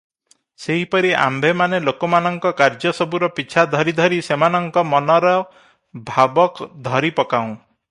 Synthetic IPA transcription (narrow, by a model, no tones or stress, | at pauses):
seɦipɔɾiʔa̰mbʱemanelokɔmanɔŋkɔkaɾd͡ʒɔsɔbuɾɔpit͡ʃʰad̪ʱɔɾid̪ʱɔɾisemanɔŋkɔmɔnɔɾɔ | bʱabɔkd̪ʱɔɾipɔkaũ